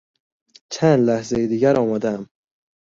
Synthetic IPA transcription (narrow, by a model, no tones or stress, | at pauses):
t͡ʃʰænd̪læhzejed̪iːɟæɾɒːmæd̪ææm